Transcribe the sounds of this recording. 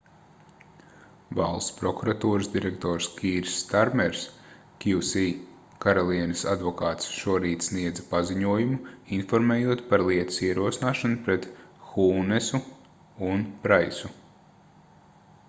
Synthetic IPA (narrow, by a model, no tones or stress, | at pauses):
va̰lˠspɾɔkuɾat̪uːɾɨsd̪iɾɛkt̪ɔːɾskʰʲiːɾsːt̪aɾmɛɾs | kʲiwsiː | kaɾɔlˠiɛnɐsa̰d̪vɔkaːt̪sʃuɔɾiːt̪sniɛd̪zɐpaziɲuɔjumuinfɔɾmeːjuɔt̪paɾlˠiɛt̪u̥siɛɾuɔsinaːʃanupɾɛt̪xuːnɛsu | unpɾajsu